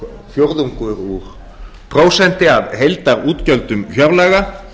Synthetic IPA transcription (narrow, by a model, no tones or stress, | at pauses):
fjowɾðuŋkʏɾuɾ | pʰɾoːwsɛn̥t̪ɪaðɦejlt̪aɾuːt̪cœlt̪ʏmçjœwɾlɛɣa